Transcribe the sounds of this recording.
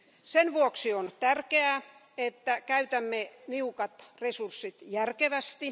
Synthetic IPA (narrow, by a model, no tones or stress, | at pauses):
senʋuoksiont̪ærkeæ | et̪ːækæyt̪æmːeniukɑt̪resursːit̪jærkeʋæst̪i